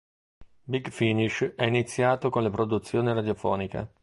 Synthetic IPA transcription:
biɡfiniʃɛinit̪sːjaːt̪okonlepɾod̪ut̪sːjoːneɾad̪jofɔ̰ːnika̰

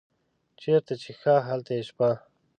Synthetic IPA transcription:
t͡ʃeɾt̪at͡ʃʰexaɦalt̪eʃpa

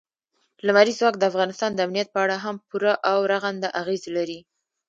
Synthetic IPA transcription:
lamaɾizwɑkd̪əafɣɑnɪst̪ɑnd̪əamnijat̪̚pəaɽaɦampuɾaʔawɾaɣand̪aʔaɣezlaɾi

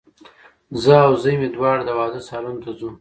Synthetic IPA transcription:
zəawzəjmed̪wɑːɽd̪əwɑːd̪əsɑlant̪azu

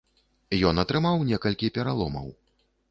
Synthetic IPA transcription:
jɔnɐt̪ɾɨmawnʲɛkɐlʲkʲipʲɛɾalˠɔmɐ̰w

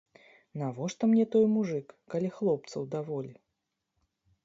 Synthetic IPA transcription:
navɔʂt̪ɔmnʲɛt̪ɔjmuʐɨkːalʲixlˠɔp̚t̪sɐwd̪avɔlʲi

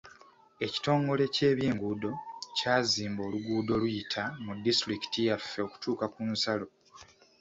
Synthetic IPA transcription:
e̞ci̥to̞ːŋɡo̞le̞ce̞ːβjiːŋɡuːdo̞caːziːmbo̞ːluɡuːdo̞lujitʰamudːistɾiki̥tijafːe̞o̞ku̥tuːkakunsalo̞

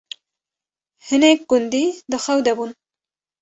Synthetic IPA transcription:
hɨnek̚ɡ̥ʊnd̪id̪ɨxɐwd̪ɛbun

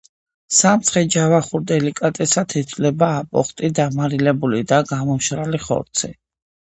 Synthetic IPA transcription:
samt̪sʰχɛd͡ʒavaχuɾd̪ɛlikʼat̪ʼɛsat̪ʰit̪ʰlɛbaːpʼɔ̰χt̪ʼid̪amaɾilɛbulid̪aɡamɔmʃɾaliχɔ̰ɾt̪sʰḭ

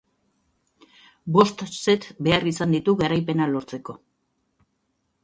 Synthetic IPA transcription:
bo̞st̪se̞t̪be̞arisand̪it̪uɣaɾajpe̞nalo̞ɾt͡se̞ko̞

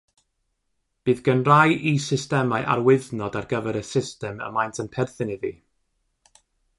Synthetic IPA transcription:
b̥ɨːðɡ̥ənrajʔisɪstɛmaɨʔa̰rwɪðnɔdarɡəvɛɾəsɪstɛmə̰majntʰənpʰɛrθɪniðḭː

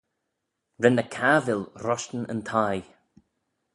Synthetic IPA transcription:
ɹɛnəkʰavɪlɾɔʃtən̩ə̰nt̪ʰaj

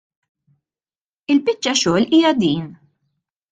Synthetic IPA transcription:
ɪlpɪt͡ʃːɐʃɔːliːjɐd̪iːn

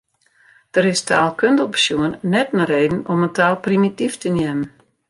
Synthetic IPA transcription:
d̥əɾɪstʰaːlˠkøndəlˠpə̥sjuənːɛtnəreːdn̩ɔməntʰaːlˠprimitiftənjɛmən

